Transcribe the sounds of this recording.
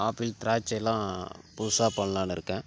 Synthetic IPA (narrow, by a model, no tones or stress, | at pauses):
aːpilt̪ɾaːt͡ʃːɐɛlːãːpusaːpɐɳːɐlaːnɪɾɯkːɛ̃ː